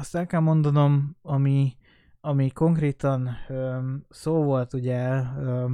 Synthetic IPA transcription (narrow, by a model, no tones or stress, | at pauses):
ɒst̪ɛlkɛlmo̞nd̪ɒno̞mɒmi | ɒmiko̞ŋkreːt̪ɒnøsoːvo̞lt̪uɟɛø